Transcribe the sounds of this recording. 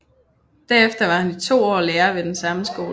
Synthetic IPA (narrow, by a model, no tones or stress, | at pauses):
d̥æɐefd̥ɐʋɑ̈hænit͡sʰo̝̰ːɒ̰ːleːɐʋe̝d̥ensɑ̈məsɡ̥o̝ːl